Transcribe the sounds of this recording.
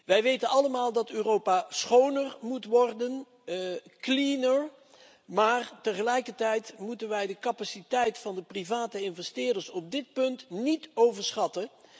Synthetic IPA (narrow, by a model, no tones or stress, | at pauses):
ʋɛjʋejtənɑləmaːlˠdɑtøːrowpasχownərmutʋɔrdən | klinəɹ | maːrtəχəlɛjkəɹtɛjtmutənʋɛjdəkɑpasitɛjtfɑndəprivaːtəɪnvɛstɪːɹdəɹsɔb̚dɪt̚pɵntnitowvəɹsχɑtə